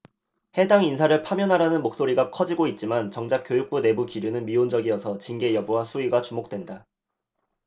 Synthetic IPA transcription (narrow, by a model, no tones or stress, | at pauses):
he̞daŋinsʰaɾɯɭpʰamjʌnɦaɾanɯnmok̚s͈oɾiɡakʰʌd͡ʑiɡoit̚t͡ɕ͈imant͡ɕʌŋd͡ʑak͈jojuk̚p͈une̞bukiɾjunɯnmiond͡ʑʌɡiʌsʰʌt͡ɕinɡe̞jʌbuɦasʰuiɡat͡ɕumok̚t͈wenda